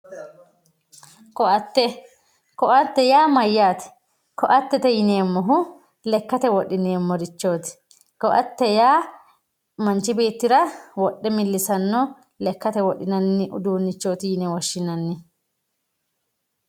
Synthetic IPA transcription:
kɔʔɐt̪ːɛ | kɔʔɐt̪ːɛjaːmɐjːaːt̪ɛ̥ | kɔʔɐt̪ːɛt̪ɛjɪneːmːɔɦʊ | lɛkːɐt̪ɛwɔɗːɪneːmːɔɾɪt͡ʃːoːt̪ɪ̥ | kɔʔɐt̪ːɛjaː | mɐnt͡ʃɪbe̞ːt̪ːɪɾɐwɔɗːɛmɪlːɪsɐnːɔ | lɛkːɐt̪ɛwɔɗːɪnɐnːɪʔʊ̰d̪uːnːɪt͡ʃːoːt̪ɪjɪnɛwɔʃːɪnɐnːɪ

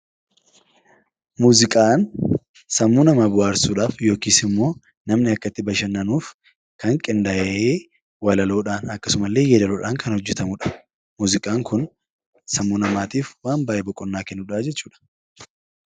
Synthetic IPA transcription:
muːzɪkʼaːn | sɐmːuːnɐmaːbʊaːɾsuːᶑaːfjo̞ːkiːsɪmːo̞ː | nɐmnɪɐkːɐt̪ːɪbɐʃɐnːɐnuːf | kɐŋkʼɪnd̪ɐʔʔeː | wɐlɐloːᶑaːnɐkːɐsʊmɐlːe̞ːjɛːd̪ɐloːᶑaːŋkʰɐnhɔd͡ʒːɛt̪ɐmʊᶑɐ̥ | muːzɪkʼaːŋkʊn | sɐmːuːnɐmaːt̪iːfwaːnbaːʔebɔkʼːɔnːaːkɛnːʊᶑaːd͡ʒɛt͡ʃːuːᶑɐ̥

